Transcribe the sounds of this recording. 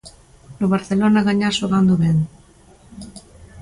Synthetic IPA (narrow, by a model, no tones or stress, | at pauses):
noβaɾθelonaɣaɲaʃoɣand̪oβen